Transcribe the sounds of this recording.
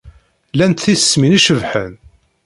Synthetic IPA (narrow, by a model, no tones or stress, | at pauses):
lænt̪θissːminiʃəvħən